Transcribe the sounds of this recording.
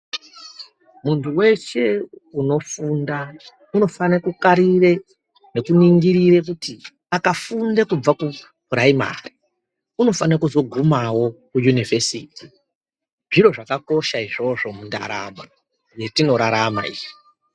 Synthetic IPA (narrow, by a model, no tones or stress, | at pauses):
muntʰuwe̞t͡ʃe̞uno̞funda | uno̞fanekukaɾire̞ | ne̞kuniŋɡiɾire̞k̬uti | akafundekub͡vaku | raima̰ri | uno̞fanakuzo̞ɡʱumawo̞kujunive̞siːti | ʐiɾo̞ʐakako̞ʃaiʐo̞ʐo̞munda̰ɾa̰ːma | je̞tino̞ɾaɾama̰ḭːʐi